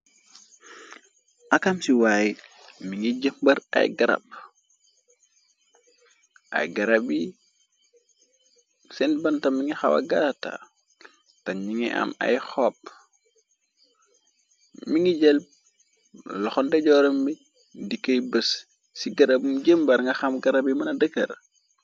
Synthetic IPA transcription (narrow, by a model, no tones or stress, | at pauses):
ʔakamsiwaːjimiŋiɟəmbɐɾɐ̰jɡɐɾɐ̰b̚ | ʔɐ̰jɡɐɾɐbi | sɛnbɐntɐmːiŋixawɐ̰ɡata̰ | tɐɲiŋiʔɐ̰mɐ̰jxɔːp̚ | miŋiɟɛl̚ | lɔxɔndɛɟɔːɾɔmbi | dikəjbəs | siɡɐɾɐbumɟəmbɐɾŋɡɐxɐmɡɐɾɐbimɐnɐdəkːɐr